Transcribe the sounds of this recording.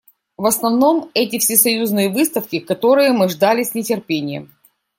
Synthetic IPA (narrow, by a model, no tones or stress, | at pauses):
vɐsnɐvno̞mɛt̬ʲɪfsʲɪsɐjuznɨjəvɨst̪əfkʲɪkɐt̪o̞ɾɨjəmɨʐd̪alʲɪsʲnʲɪtʲɪrpʲenʲɪjə̰m